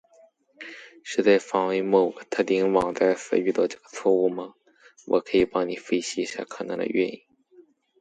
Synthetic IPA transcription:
ʂɻ̩˥˧t͡sa˥˩ɪfɑ˨˩ŋwe˧˥ɪmo˨˩ʊɡə˧˦t̪ʰɤ˥˩t̪i˧˥ŋwɑ˨˩ŋt͡sa˥˩ɪfə̰˧˥y˥˧t̪ɑ˥˩ʈ͡ʂɤ˥˩ɡ̥ə˧t͡sʰwɔ˥˧u˥˩mɐ˩ | wʔɔ̰˨˩kʰɤ˧˥i˨˩pɑ˥ŋni˨˩fe˥˩ɪɕi˧˥˧ɕja̰˥˩kʰɤ˨˩na̰˧˥d̪ə̰˧ɥɛ̰˥˧ni˥˩ŋ

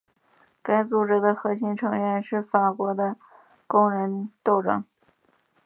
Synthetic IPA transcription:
ka˥ɪt͡su˧˩ʈ͡ʂɻ̩˥˩d̪ə˨xɤ˧˥ɕi˧˥nʈ͡ʂʰɤ˧˥ŋɥɛ˧nʂɻ̩˥˩fa˨˩kwɔ˧˥d̪ə˧ | kʊ˥ŋɻə˧˥nt̪o˥˧ʊʈ͡ʂɤ̰˥˩ŋ

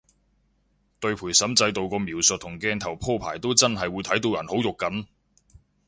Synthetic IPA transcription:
t̪ɵ˧ɥpʰuː˨˩jsɐ˨˥mt͡sɐ˧jt̪o˨wkɔː˧miː˨˩wsɵ˨t̚t̪ʰːʊ˨˩ŋkɛː˧nt̪ʰɐ˨˩wpʰɔː˥˩pʰaː˨˩jt̪o˥wt͡sɐ˥nɦɐ˨jwu˨˧jt̪ʰɐ˨˥jt̪o˧wjɐ˨˩nho˨˥wjʊ˨kːɐ˨˥n

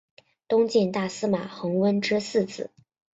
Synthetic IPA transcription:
t̪ʊ˥ŋt͡ɕɛ˥˧nt̪a˥˩sɹ̩˥ma˨˩xɤ˧˥ŋwə˥nʈ͡ʂɻ̩˥sɹ̩˥˧t͡sɹ̩˨˩˦

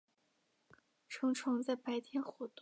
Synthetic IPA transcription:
ʈ͡ʂʰɤ˧˥ŋʈ͡ʂʰɤ˧˥ŋt͡sa˥˩ɪpa˧˥ɪt̪ʰjɛ˧˥nxwɔ˧˥t̪o˥˩

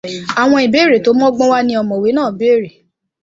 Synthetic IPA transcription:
a˨w̃ɔ̃˧i˨be˨˦ɾe˨to˨˦mɔ̃˦ɡ͡bɔ̃˦wa˦nĩ˧˦ɔ˧mɔ̃˨we˨˦nãː˦˨be˦˨ɾe˨

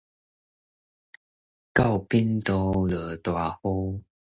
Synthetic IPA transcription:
ka˥˧˨wpi˦nt̪o˧lə˨˩˦t̪wa˨˩ho˦

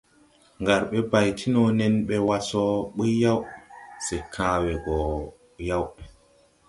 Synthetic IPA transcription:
ŋɡa˨ɾɓɛ˦ba˨jtʰi˦nɔ˨nɛ˦nɓɛ˦wa˦sɔ˦ɓi˦jjːa˦wsɛ˨kʰaː˨wɛ˨ɡɔ˨ | ja˦w

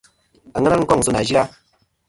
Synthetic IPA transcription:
a˨ŋə˦na˦ŋ̩˦kɔ˦˨ŋ˨su˨na˨d͡ʒi˦ɾa˦

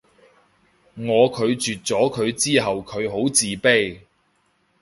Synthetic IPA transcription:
ŋɔː˨˧kʰɵ˨˧ɥt͡ʃyː˨t̚t͡sɔː˨˥kʰɵ˨˧ɥt͡siː˥ɦɐ˨wkʰɵ˨˧ɥɦo˨˥wt͡siː˨pe˥j

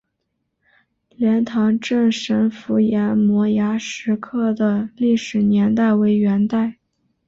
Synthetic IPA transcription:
ljɛ˧˥nt̪ʰɑ˧˥ŋʈ͡ʂə˥˩ŋʂə˧˥nfu˧˥jɛ˧˥nmwɔ˧˥ja˧˥ʂɻ̩˧˥kʰɤ˥˩d̪ə˩li˥˩ʂɻ̩˨˩njɛ˧˥nt̪a˥˩ɪwe˧˥ɪɥɛ˧˥nt̪a˥˩ɪ

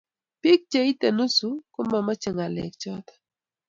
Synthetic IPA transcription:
pi˦k̚t͡ʃe˦i˦t̪e˨nu˦su˦kʊ˦ma˨ma˦t͡ʃe˨ŋa˨lɛ̰˨k̚t͡ʃɔ˦t̪

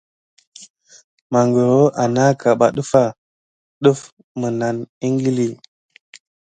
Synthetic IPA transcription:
ma˨ŋɡə˨ɾo˦a˨na˦ka˨ɓa˨ɗə˦fa˦˨ | ɗə˦f | mə˨na˨ni˦ŋɡi˦li˦˨

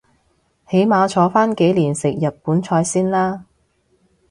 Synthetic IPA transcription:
he˨˥jmaː˨˧t͡ʃʰɔː˨˥faː˥nke˨˥jliː˨˩nsɪ˨k̚jɐ˨˩t̚puː˨˥nt͡ʃʰɔː˧jsiː˥nlaː˥

